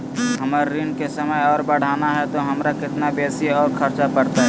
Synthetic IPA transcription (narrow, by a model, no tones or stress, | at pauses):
ɦəməɾːinkesəməjɔːɾbəɽ̤aːnaɦɛt̪oɦɐmɾakɪt̪nabeːsiɔːɾkʰɐɾt͡ʃapɐɽt̪aɦɛː